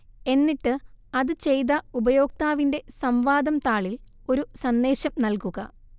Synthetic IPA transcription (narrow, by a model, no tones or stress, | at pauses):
e̞nːiʈːɨɐðɨt͡ɕe̞jt̪ɐubɐjo̞ːk̚t̪aːʋinde̞sɐmʋaːd̪ɐmt̪aːɭil | o̞ɾusɐnːe̞ːɕɐmnɐlkuɣɐ̰